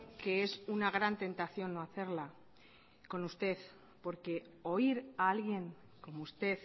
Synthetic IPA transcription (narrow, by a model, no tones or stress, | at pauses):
ke̞e̞sunaɣ̞ɾant̪e̞nt̪aθjo̞nːoaθe̞ɾla | ko̞nust̪e̞θ | po̞ɾke̞o̞iɾaalɣje̞ŋ | ko̞moust̪e̞θ